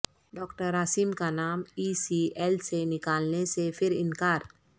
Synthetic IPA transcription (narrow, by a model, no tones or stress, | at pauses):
ɖɔːkʈəɾaːsiːmkanaːmiːsiɛːlsenɪkaːlnesepʰɪɾɪnkaːɾ